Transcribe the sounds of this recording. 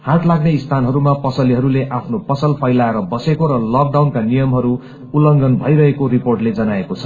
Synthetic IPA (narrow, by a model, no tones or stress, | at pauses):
haʈlaɡneist̪ʰanɦʌɾumapʌsʌliɦʌɾuleʔapʰnopʌsʌlpʰʌjlaeɾʌbʌsekoɾʌlʌk̚ɖawnkanijʌmɦʌɾu | ulʌŋɡʌnbʱʌjɾʌɦekoɾiporʈled͡zʌnaekot͡sʰʌ̥